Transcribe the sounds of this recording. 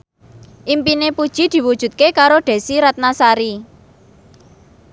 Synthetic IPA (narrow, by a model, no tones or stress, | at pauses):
ʔimpinepud̥ʒ̥i̤d̪̥i̤wud̥ʒ̥ṳt̪̚kekaɾoɖ̪̥e̤siɾat̪̚nasaɾi